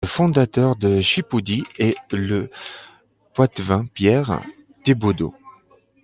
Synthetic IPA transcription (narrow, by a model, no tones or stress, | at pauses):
əfɔ̃d̪at̪œʁd̪əʃipud̪ielə | pwat̪vɛ̃pjɛʁ | d̪̥ebod̪o̰